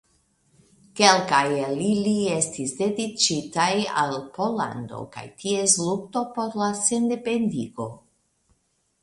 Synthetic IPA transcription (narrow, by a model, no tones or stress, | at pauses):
kelkajelilie̞stisde̞dit͡ʃitaja̰lpo̞la̰ndo̰ka̰jtʰieslukto̞po̞ɾlase̞nde̞pe̞ndiɡo̞